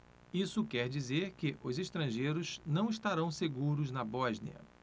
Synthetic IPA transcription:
isʊkɛɾd͡ʒizeɾkɪʔʊzeʃt̪ɾɐ̃ʒejɾʊznɐ̃w̃iʃt̪aɾɐ̃w̃seɡuɾʊznɐbɔʒnḭɐ̰

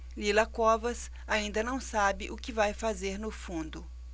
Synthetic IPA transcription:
lilɐkɔvɐs | aĩnd̪ɐnɐ̃w̃sabɪʔʊkɪvajfazeɾnʊfũnd̪ʊ

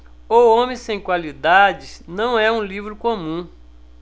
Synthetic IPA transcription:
oõmẽsẽj̃kwalid̪ad͡ʒɪsnɐ̃w̃ɛũlivɾʊkõmũ

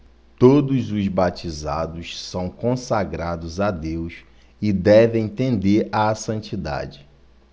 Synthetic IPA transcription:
t̪od̪ʊzʊzbat͡ʃiza̰d̪ʊssɐ̃w̃kõsaɡɾad̪ʊzad̪ews | ɪd̪ɛvẽj̃t̪ẽnd̪eɾasɐ̃nt͡ʃid̪a̰d͡ʒɪ

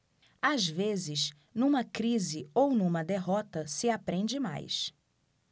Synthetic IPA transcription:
azvezɪʃ | nũmɐkɾizɪownũmɐd̪eɦɔt̪ɐsɪapɾẽnd͡ʒɪma̰js

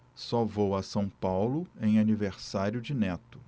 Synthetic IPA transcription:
sɔvowɐsɐ̃w̃pawlʊẽj̃aniveɾsaɾjʊd͡ʒɪnɛt̪ʊ̥

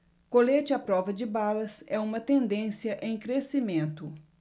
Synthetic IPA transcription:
kolet͡ʃɪapɾɔvɐd͡ʒɪbalɐsɛũmɐt̪ẽnd̪ẽsjɐʔẽj̃kɾesimẽnt̪ʊ

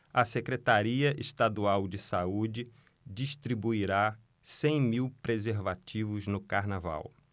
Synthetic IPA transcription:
ɐsekɾet̪aɾiɐʔeʃt̪ad̪uawd͡ʒɪsaud͡ʒɪ | d͡ʒiʃt̪ɾibuiɾa | sẽj̃miwpɾezeɾvat͡ʃivʊznʊkaɾnava̰w

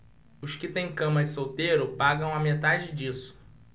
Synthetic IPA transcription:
ʊskɪt̪ẽj̃kɐ̃mɐɪsowt̪ejɾʊpaɡɐ̃w̃ɐmet̪ad͡ʒɪd͡ʒisʊ̥

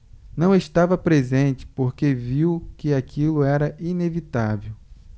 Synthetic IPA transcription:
nɐ̃w̃eʃt̪avɐpɾezẽnt͡ʃɪ̥poɾkeviwkɪakilʊɛɾɐʔinevit̪avew

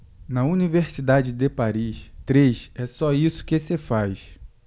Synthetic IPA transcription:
nɐuniveɾsid̪ad͡ʒɪd̪epaɾiʃt̪ɾeʃɛsɔisʊ̥kesefajs

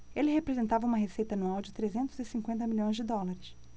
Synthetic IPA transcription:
elɪɦepɾezẽnt̪avɐũmɐɦesejt̪ɐnuawd͡ʒɪt̪ɾezẽnt̪ʊzɪsĩŋkwẽnt̪̬ɐmilʲõj̃zd͡ʒɪd̪ɔlaɾɪs

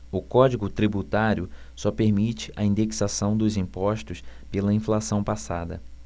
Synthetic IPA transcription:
ʊkɔd͡ʒiɡʊt̪ɾibut̪aɾjʊ | sɔpeɾmit͡ʃɪ̥ʔɐĩnd̪eksasɐ̃w̃d̪ʊzĩmpɔʃt̪ʊspelɐĩflasɐ̃w̃pasad̪ɐ̰

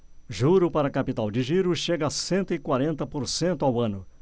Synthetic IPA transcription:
ʒuɾʊpaɾɐkapit̪awd͡ʒɪʒiɾʊʃeɡɐasẽnt̪ʊɪkwaɾẽnt̪ɐpoɾsẽnt̪ʊawɐ̃nʊ

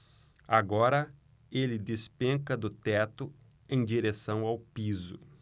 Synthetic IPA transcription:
aɡɔɾɐ | elɪd̪espẽŋkɐd̪ʊt̪ɛt̪ʊ | ẽj̃d͡ʒiɾesɐ̃w̃awpizʊ̰

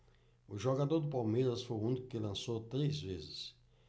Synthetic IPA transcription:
ʊʒoɡad̪oɾd̪ʊpawmeɾɐsfojũnd̪ɪkɪlɐ̃sot̪ɾezvezɪs

